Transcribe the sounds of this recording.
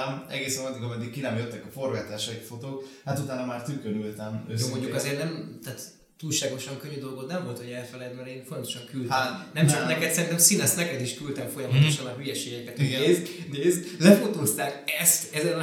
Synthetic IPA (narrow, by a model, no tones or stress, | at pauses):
mɛɡeːsɛɛd̪ikɒmɛd̪ːikkːinɛmjøt̪ːɛkɒfo̞rvaːt̪aːʃɛfo̞t̪oːkhat̪ut̪aːnɒmaːrt̪ykøɾylt̪ɛmøsomoɲɟukɒzeːrt̪nɛmt̪aːt̪ | t̪ːuːlʃaːɡo̞ʃɒŋkø̞ɲːyd̪o̞lɡo̞t̪nɛɱvo̞lt̪hoɟɛlfɛlɛd̪mɛɾeːnfo̞nt̪o̞ʃɒŋkyld̪anɛmt͡ʃɒknɛkɛt̪sɛɾint̪ɛmsinɛsnɛkɛd̪iʃkylt̪ɛmfo̞jɒmɒt̪oʃɒnɒɦyjɛʃeːɡɛkɛt̪eːzneːzlɛfo̞t̪oːst̪aːkɛst̪ɛzɛn